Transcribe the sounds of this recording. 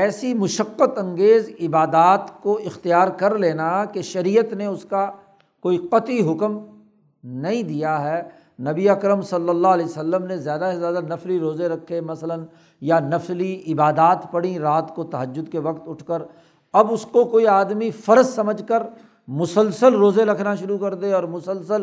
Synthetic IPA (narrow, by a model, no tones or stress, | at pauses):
ɛːsimʊʃəqːət̪ɐ̃ŋɡeːzɪbaːd̪aːt̪koɪxt̪ijaːɾkɐɾleːnakeʃɐɾiːjət̪neʊska | koːiqɐt̪iɦʊkm | nɐɦĩd̪ijaɦɛː | nɐbiɐkɾəmsɐlːəlːaleːsəlːəmnezjaːd̪asezjaːd̪anɐfliɾoːzeɾɐkʰːemɐslən | janɐfliɪbaːd̪aːt̪pɐɽĩɾaːt̪kot̪ɐɦəd͡ʒːʊd̪keʋɐqt̪ʊʈʰkəɾ | ɐbʊskokoːiaːd̪mifɐɾəzsɐməd͡ʒkəɾ | mʊsəlsəlɾoːzeɾɐkʰnaʃʊɾukɐɾd̪eɔːɾmʊsəlsəl